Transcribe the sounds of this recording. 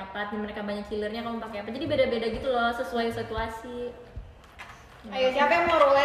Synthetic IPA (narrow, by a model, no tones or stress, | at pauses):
apat̪̚naməɾekabaɲak̚t͡ʃilərɲakalupakeapad͡ʒadibedabedaɡit̪ulɔsəsuajsit̪uasi | aajasiapajaŋmoɾulɛ